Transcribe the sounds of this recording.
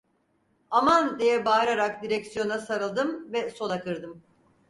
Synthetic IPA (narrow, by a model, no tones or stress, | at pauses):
amand̪ejɛbaːɾaɾakd̪iɾɛksijo̞nasaɾɯlˠd̪ɯmvɛso̞nˠakɯɾd̪ɯm